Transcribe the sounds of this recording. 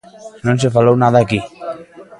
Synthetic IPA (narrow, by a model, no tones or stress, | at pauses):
nõnsefalownaðaːki